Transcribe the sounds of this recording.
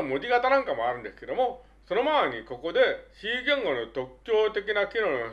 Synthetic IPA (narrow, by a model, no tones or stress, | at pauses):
omod̪iɡat̪anaŋk͈amaɾɯnd̪esk͈ed̪omo | sonomaɲikok͈od̪eɕiɡjʌŋɡonot̪ok̚k͈jot̪ekinakiɾono